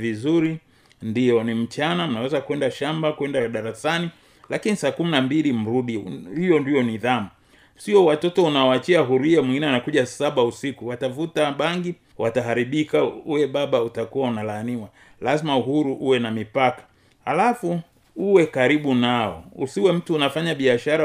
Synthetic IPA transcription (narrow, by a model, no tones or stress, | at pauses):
vizuɾi | ndijɔnim̩t͡ʃanam̩nawɛzakwɛndaʃambakwɛndaɗaɾasani | lakinisaːkuminambilim̩ɾuɗihijɔndijɔniðamu | siɔwatɔtɔunaaat͡ʃiaɦuɾiamwĩŋɡinɛanakuʄasaɓausikuwatavutaɓaŋɡi | wataɦaɾiɓikauwɛɓaɓautakuwaunalaːniwa | lazimauɦuɾuʔuwɛnamipakḁ | halafu | uwɛkaɾiɓunaɔ̰usiwɛm̩tuːnafaɲaɓiaʃaɾa